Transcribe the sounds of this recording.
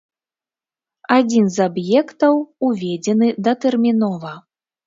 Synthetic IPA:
ad͡zʲinzabjɛkt̪ɐwuvʲɛd͡zʲɛnɨd̪ɐt̪ɛrmʲinɔvɐ

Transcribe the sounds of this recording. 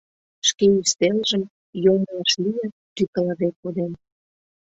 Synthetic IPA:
ʃkeyst̪elʒə̆m | jomlɑʃlijə | t̪ykə̆ləβekod̪en

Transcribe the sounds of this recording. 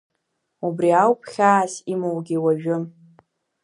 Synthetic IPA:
ubriawpʰχʲaːsimawɡʲiwaʒᶣʊm

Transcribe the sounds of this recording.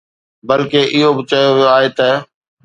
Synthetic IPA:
bəlkeːʔɪɦobɪt͡ʃəjoaːɦeːt̪ə

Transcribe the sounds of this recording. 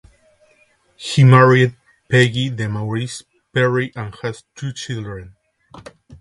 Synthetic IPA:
himaɹid̪̚ | peɡiðəmaɹis | pɛɹiʔãnhast̪ʰut͡ʃild̪ɹẽn

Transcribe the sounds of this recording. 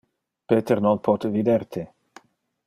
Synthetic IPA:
peːt̪eɾnonpʰot̪evid̪ert̪ʰe

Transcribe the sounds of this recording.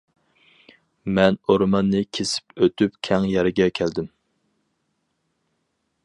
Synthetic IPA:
mɛnoɾmɑnːɨkʲʰesɪ̥pøt̪ypkʲʰɛŋjɛɾɪɡʲɛkʲʰæld̪ɪm

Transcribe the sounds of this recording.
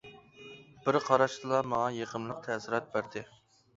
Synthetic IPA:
b̥ɪɾqʰɑɾɑʃd̪ɨlˠɑmɑŋɑjeqʰəmlˠəq̚t̪ʰɛsɪɾɑt̪̚bæɾd̪ɪ

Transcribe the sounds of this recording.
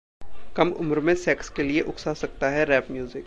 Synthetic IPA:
kɐmʊ̰mɾmẽsɛːkskelieʔʊksasɐk̚t̪aɦɛɾɛːpmjuːzɪk

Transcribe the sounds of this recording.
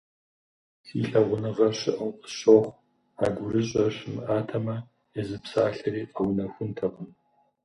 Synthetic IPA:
siːɬɐʁʷʊnɨʁɐɕɪʔəqʼə̥ɕoχʷ | aːɡʷʊɾɨɕʼɐɕɪmɨʔaːtʰɐmɐ | jɛzɨpsaːɬɐɾiːqʼɐwnɐxʷʊntʰɐʁən

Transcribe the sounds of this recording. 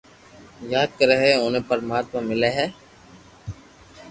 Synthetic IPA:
jaːd̪̚kəɾeɦeʊnẽpəɾmaːt̪mãmɪleɦɛː

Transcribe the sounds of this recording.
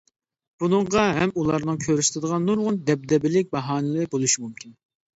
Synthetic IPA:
b̥unɨɴʁɑɦɛmulˠɑɾnɨŋkʲʰøɾyst̪ʰɨd̪əʁɑnːuɾʁʊnd̪ɛb̚d̪ɛbɪlɪk̚ʲbɑɦɑːnɨlˠɨɾbolˠuʃimumkʲin

